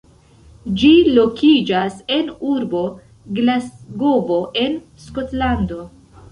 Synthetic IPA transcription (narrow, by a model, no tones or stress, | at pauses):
d͡ʒilo̞kʰid͡ʒase̞nuɾbo̞ | ɡlasɡobo̞ʔe̞n | sko̞tlando̞